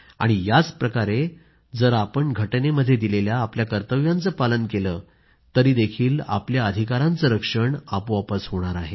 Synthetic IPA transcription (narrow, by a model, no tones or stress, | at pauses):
a̰ɽ̃ijat͡spɾəkaɾe | d͡zəɾapəɳɡʱəʈneməd̪ʱːjed̪ileljaːpljakəɾt̪əʋjãnt͡səːpalənkeləː | t̪əɾiːd̪ekʰiːla̰pljaəd̪ʱikaɾãnt͡səɾəkʂəɳapʋapəsɦoɽ̃aɾaɦe